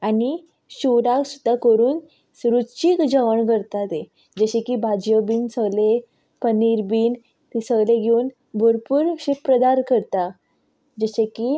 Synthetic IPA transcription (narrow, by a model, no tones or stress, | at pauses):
ani | ɕuɾaksud̪ʱːakəɾuːn | sɾut͡ɕikd͡ʑəʋəɳɡəɾt̪at̪e | d͡ʑəɕekiːbʱad͡ʑjəbiːnsəɡle | pəniɾbiːn | t̪isəɡleɡʱeuːn | bʱuɾpuːɾɕipɾəd̪aɾkəɾt̪a | d͡ʑəɕeki